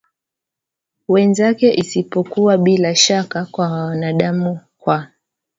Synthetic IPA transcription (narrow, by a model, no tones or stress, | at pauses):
wɛnzakɛʔisipɔkuwaɓilaʃakakwawanaɗamukwa